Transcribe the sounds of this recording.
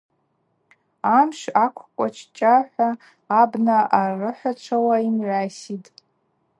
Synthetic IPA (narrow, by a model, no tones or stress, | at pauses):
amʃakʷʰkʷʼat͡ʃʰt͡ʃʼaħʷaː | bnaʔarɨħʷat͡ʃʷʰawaimʕʷaːsitʼ